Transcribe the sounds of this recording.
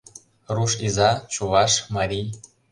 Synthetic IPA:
ruʃizɑt͡ɕuβɑʃmɑɾʲij

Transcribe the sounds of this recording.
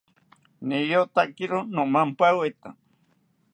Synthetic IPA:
nijot̪akiɾonomampawet̪a

